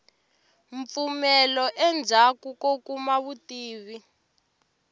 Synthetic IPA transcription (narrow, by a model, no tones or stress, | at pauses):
ɱp̪fumɛlɔʔɛnd͡zʱakukokumaβutiːβi